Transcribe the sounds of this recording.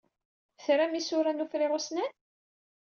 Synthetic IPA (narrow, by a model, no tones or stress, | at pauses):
θɾæmisʊɾænufɾɪʁʊsnæn